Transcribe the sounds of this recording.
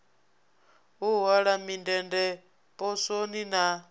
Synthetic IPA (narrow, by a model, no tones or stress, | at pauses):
uɦaɺamindɛndɛ | pʼɔsonina